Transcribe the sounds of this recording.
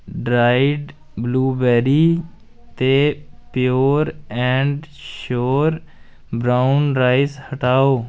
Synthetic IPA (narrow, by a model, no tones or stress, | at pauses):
ɖɾaːɪɖ | bluːbɛːɾiː | t̪eːpjoːɾɛ̃ːɳɖʃoːɾ | bɾaːʊnɾaːɪshəʈaːoː